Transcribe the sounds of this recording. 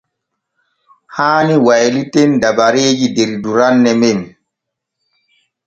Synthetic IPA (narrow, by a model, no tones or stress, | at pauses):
haːniwajlitendabaɾeːd͡ʒideɾduɾanːɛmɛn